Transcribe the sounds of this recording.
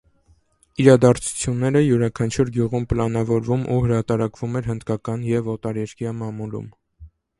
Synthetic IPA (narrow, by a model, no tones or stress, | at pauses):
iɾɑd̪ɑɾt͡sʰu̥t͡sʰjunːɛɾəjuɾɑkʰɑnt͡ʃʰuɾɡjuʁumpəlɑnɑvɔɾvumʔṵhəɾɑt̪ɑɾɑkv̥umɛɾɦənd̪kɑkɑnjɛvɔt̪ɑɾɛɾkjɑmɑmulṵm